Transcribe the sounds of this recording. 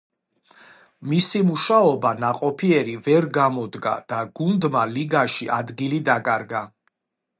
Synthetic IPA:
misimuʃaɔbanaqʼɔpʰiɛɾivɛɾɡamɔd̪ɡa̰d̪̥aɡ̥und̪maliɡaʃiʔad̪ɡilid̪akʼaɾɡa

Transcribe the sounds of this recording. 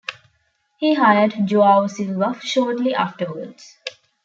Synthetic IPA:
hiːɦajəɖd͡ʒoːaʊsilʋʌfʃɔːɾʈliʔaːfʈəɾʋəɖs

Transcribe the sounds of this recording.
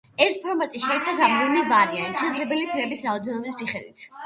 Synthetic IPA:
ɛspʰɔɾmat̪ʼiʃɛisavɾamd̪ɛnimɛvaɾianʃʰɛd̪zlɛbɛlipʰɾɛbisɾaɔd̪ɛnɔbis̬miχɛd̪wit̪ʰ

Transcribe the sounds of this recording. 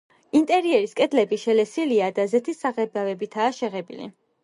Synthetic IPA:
int̪ʼɛɾiɛɾiskʼɛd̪lɛbiʃɛlɛsiliad̪azɛt̪ʰisaʁɛbavɛbit̪ʰaːʃɛʁɛbḭlḭ

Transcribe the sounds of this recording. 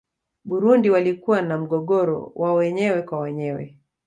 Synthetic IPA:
ɓuɾundiwalikuwanam̩ɠɔɠɔɾɔ̰wʔawɛɲɛwɛkwawɛɲɛwɛ̰

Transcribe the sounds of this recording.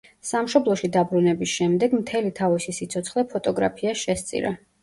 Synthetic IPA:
samʃɔblˠɔʃid̪abɾunɛbisʃɛmd̪ɛɡmt̪ʰɛlit̪ʰavisisit̪sʰɔt̪sʰχlɛpʰɔt̪ʼɔɡɾa̰pʰiaʃɛst̪sʼḭɾa̰

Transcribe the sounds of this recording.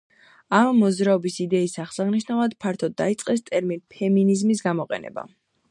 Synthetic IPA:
amːɔd̪zɾaɔbisid̪ɛisaχsaʁniʃ̬navlad̪̥pʰaɾt̪ʰɔd̪ːait̪sʼqʼɛst̪ʼɛɾminpʰɛminizmisɡamɔqʼɛ̰nɛ̰ba̰

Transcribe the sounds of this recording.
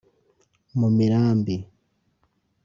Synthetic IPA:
mumiɾaːmbi

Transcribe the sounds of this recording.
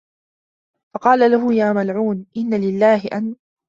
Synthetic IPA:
fɑqɑːlalaɦʊjaːmalʕuːnʔɪnːalɪlːaːhɪʔan

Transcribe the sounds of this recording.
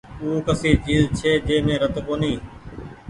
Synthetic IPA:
uːkəsiːt͡ʃiːzt͡ʃʰeːd͡ʒeːmẽːɾət̪koːniː

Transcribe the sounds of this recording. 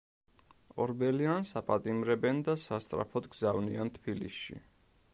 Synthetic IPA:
ɔɾbɛliansapʼat̪ʼimɾɛbɛnd̪asast̪sʼɾa̰pʰɔd̪ɡzavniant̪ʰbilḭsʃḭ

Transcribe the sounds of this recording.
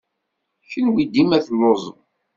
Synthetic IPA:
çənwid̪imæθəlːozˤə̰m

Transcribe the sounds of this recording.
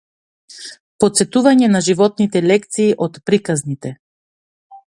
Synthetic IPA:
pɔt̪sɛt̪uvaɲɛnaʒivɔt̪̚nit̪ɛlɛkt̪siːʔɔt̪pɾikaznit̪ɛ

